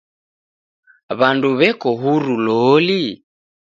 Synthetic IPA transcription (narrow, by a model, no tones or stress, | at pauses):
βanduβɛkɔɦuɾulɔli